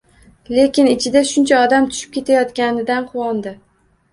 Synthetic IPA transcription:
le̞kʲɪnɪt͡ʃʰɪd̪aʃʊnt͡ʃʰaɒd̪amt̪ʰʊ̥ʃɪ̥p̚kʲʰe̞t̪ʰajɒt̪kʲanɪd̪anqʰʊwɒnd̪ɪ

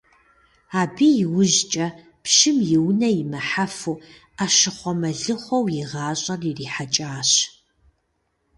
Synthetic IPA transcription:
aːbiːjɪwʊʑt͡ʃʼɐ | pʃɪmjɪwnɐjɪmɐħafu | aːʃɪχʷɔmɐɮɨχʷɔwjɪʁɑːɕʼɐririːħat͡ʃʼaːɕ

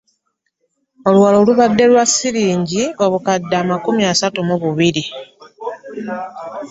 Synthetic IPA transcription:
o̞lwwalo̞ːluβadːe̞lwasiɾiːɲɟio̞βukadːaːmakumiasatumuβuβiɾi

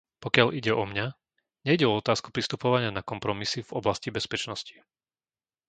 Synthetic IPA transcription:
pɔkɪaʎiɟɛʔɔmɲa | ɲɛiɟɛɔɔt̪aːsku̥pɾist̪upɔʋaɲɪanakɔmpɾɔmisivɔblascibɛspɛt͡ʃnɔsci̥

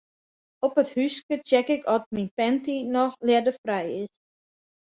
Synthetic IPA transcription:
ɔpəthyskət͡ʃɛkɪkɔt̚minpɛntinɔxlɛdəfrɛjɪs

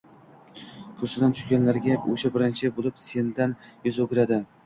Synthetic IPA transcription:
kʲʰɵsɪd̪ant̪ʰʊ̥ʃɡʲanlaɾɡʲaɵʃabɪɾɪnt͡ʃʰɪbolˠɪpse̞nd̪anjʊzɵɡʲɪɾad̪ɪ

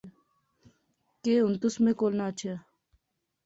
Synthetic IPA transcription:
keʊnt̪ʊsmẽːkoːlnaːt͡ʃʰe

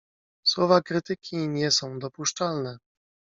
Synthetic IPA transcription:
swɔvakɾɘt̪ɘkʲiɲɛsɔ̃w̃d̪ɔpuʂt͡ʂalnɛ

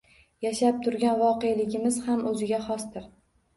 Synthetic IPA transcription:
jaʃap̚t̪ʰʊɾɡʲanvɒqejlɪɡʲɪmɪzhamʔɵzɪɡʲaχɒst̪ɪɾ

